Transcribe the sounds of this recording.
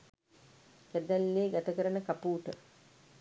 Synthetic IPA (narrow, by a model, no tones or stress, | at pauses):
kæd̪ælːeːɡat̪əkəɾənəkapuːʈə